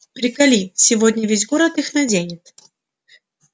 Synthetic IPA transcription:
pɾʲɪkɐlʲisʲɪvodʲnʲəvʲezʲɡoɾət̪ɨxnɐdʲenʲɪt̪

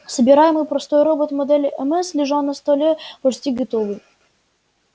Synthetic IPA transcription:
səbʲɪɾajɪmɨjpɾɐst̪ojɾobət̪mɐd̪ɛlʲʔɛmɛslʲɪʐɑnəst̪olʲepɔrsʲtʲiɡət̪ovɨj

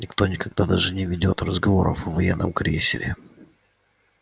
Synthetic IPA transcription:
nʲɪkt̪o̞nʲɪkɐɡ̚d̪ad̪aʐɨnʲɪvʲɪdʲo̞t̪rəzɡɐvo̞̰ɾə̰fəvɐjɛnːəmkɾʲḛsʲɪ̰ɾʲɪ̰

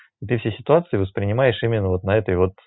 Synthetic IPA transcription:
ɪt̪ɨfsʲesʲɪt̪ʊat̪sɨɪvəspɾʲɪnʲɪmajɪʂimʲɪnːəvo̞t̪nɐɛt̪əjvo̞t̪

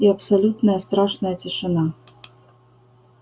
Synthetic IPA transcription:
iɐpsɐlʲut̪nəjəst̪ɾaʂnɐjətʲɪʂɨna

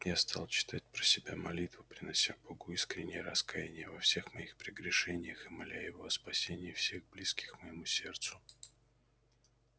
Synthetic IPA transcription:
jast̪ʰɑlˠt͡ɕɪ̥t̪ʰat̚ʲpɾəsʲɪbʲamɐ̰lʲit̪vʊpɾʲɪnɐsʲaboɡʊiskɾʲɪnʲɪjəɾɐskajɪnʲɪjəvɐfsʲe̞xmɐixpɾʲɪɡɾʲɪʂɛnʲɪjəxɨmalʲajɪvoɐspɐsʲenʲɪjːfsʲe̞ɣɡ̚blʲiskʲɪ̥xməjɪmusʲe̞rt̪sʊ

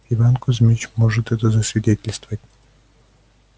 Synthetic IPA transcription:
ivankɔzʲmʲit͡ɕmɔʐɨt̪ɛt̪ɔzɐsʲvʲidʲɛtʲɪlʲst̪vɐtʲ

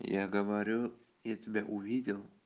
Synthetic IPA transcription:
jaɡəʋaɾʲu | jatʲɪbʲaʔuvʲidʲɪlˠ

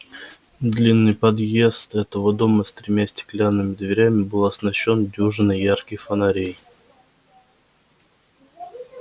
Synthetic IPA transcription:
d̪lʲinːɨjpɐd̪je̞st̪ɛt̪əvəd̪o̞məst̪ɾʲɪmʲæsʲt̪ʲɪ̥klʲanːɨmʲɪd̪vʲɪɾʲæmʲɪbɨlˠɐsnɐɕːo̞ndʲuʐɨnɨjːarkɪjfənɐɾʲej

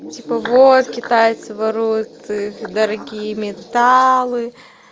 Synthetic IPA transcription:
tʲipəvot̪̚kʲɪt̪ajt̪sɨvɐɾujʊt̪ɨxd̪ɐɾɐɡʲijəmʲɪt̪alˠɨ

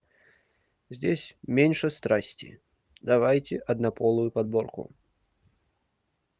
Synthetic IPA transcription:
zʲd͡zʲesʲmʲenʲʂɛst̪ɾasʲt͡sʲḭ | d̪avajt͡sʲɛʔɐd̪napɔlˠujupad̪bɔrkṵ

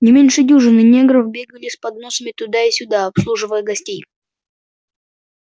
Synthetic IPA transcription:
nʲɪmʲenʲʂɨdʲuʐɨnɨnʲeɡɾəfbʲeɡəlʲɪspɐd̪no̞səmʲɪt̪ʊd̪aɪsʲʊd̪aɐpslˠuʐɨvəjəɡɐsʲtʲej

